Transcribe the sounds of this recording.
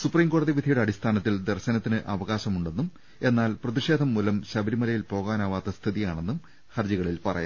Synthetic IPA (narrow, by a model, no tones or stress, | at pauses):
supriːmko̞ːɽɐðiʋid̪ʱiɐjuɽe̞ɐɽist̪ʰaːnɐt̪ːild̪erɕɐnɐt̪ːinɨʔɐʋɐɣaːɕɐmuɳɖe̞nːum | e̞nːaːlprɐðiʂe̞ːd̪ʱɐmːuːlɐmɕɐbɐɾimɐlɐjilpo̞ːɣaːnaːʋaːt̪ːɐst̪ʰiðijaːɳe̞nːum | xɐrd͡ʑiɣɐɭilpɐrɐ̰ja̰m